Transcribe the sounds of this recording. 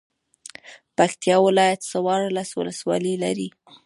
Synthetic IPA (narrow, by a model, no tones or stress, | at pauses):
pakt̪jɑwɪlɑjat̪sawɑɾlaswʊ̰ləswɑ̰lila̰ɾi